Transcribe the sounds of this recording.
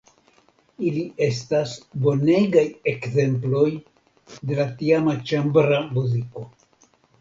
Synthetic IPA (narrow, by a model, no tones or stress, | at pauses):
ilie̞stasbo̞ne̞ɡaje̞kze̞mplo̞j | de̞latiamat͡ʃambɾamuziko̞